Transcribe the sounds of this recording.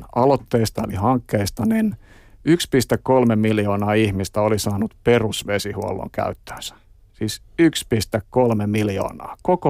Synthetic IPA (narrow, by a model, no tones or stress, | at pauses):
ɑlot̪ːeːst̪ɑolihɑŋkːeist̪ɑnin | ykspist̪ekkolmemiljoːnɑːihmist̪æolisɑːnut̪perusʋesihuo̰lːo̰ŋkæ̰yt̪ːø̥ːnsæ̥ | siːs | ykspist̪ekkolmemiljo̰ːnɑ̰ːkoko